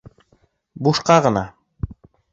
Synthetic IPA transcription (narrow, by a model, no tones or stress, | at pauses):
buʃqɑʁɤ̆nɑ